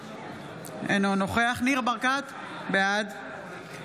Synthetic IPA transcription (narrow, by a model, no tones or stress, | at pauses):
ḛnonoχeaχniʁbaʁkat̪ | bead̪